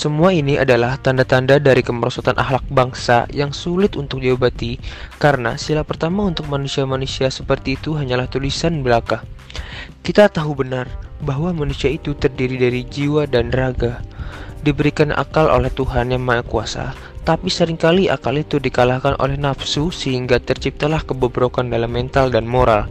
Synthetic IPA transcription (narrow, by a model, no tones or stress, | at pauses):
səmuainia̰dalaht̪andat̪andadaɾikəməɾɔsat̪anʔa̰hlak̚baŋsa̰jaŋsulɪt̪unt̪ʊk̚d͡ʒawabat̪ikaɾəna̰silapərt̪amaunt̪ʊk̚manusiamanusiasəpərt̪iːt̪uɦaɲalaht̪ulisanbəlakah | kit̪at̪aɦubənarbaɦwamanusiait̪ut̪ərdiɾidaɾid͡ʒiwadanraɡadibəɾikanʔa̰kalʔo̰lɛht̪uɦanjaŋmaakuasa̰ | t̪apisəɾɪŋkaliʔa̰kalit̪udikalahkanʔo̰lɛhnapsusəɦiŋɡat̪ərt͡ʃip̚t̪alahkəbobɾokandalamːɛnt̪aldanmoɾa̰l